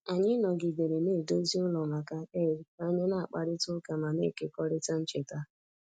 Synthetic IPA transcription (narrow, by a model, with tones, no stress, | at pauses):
a˨ɲɪ˦nɔ˨ɡɪ˨ɡe˨ɾe˨ne˦˨do˦zi˦ʊ˦lɔ˨ma˨ka˦e˦˨ɾi˨k͡pa˦ɲe˦na˦˨a˨k͡pa˨ɾɪ˦tʊ˦ka˨ma˨ne˦˨ke˦kɔ˦ɾɪ˦ta˦n̩˦t͡ʃe˨ta˦